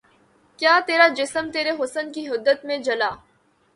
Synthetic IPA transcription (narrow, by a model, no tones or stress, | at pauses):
kjaːt̪eːɾad͡ʒɪsəmt̪eːɾeɦʊsənkiɦʊd̪ːət̪mẽd͡ʒɐlaː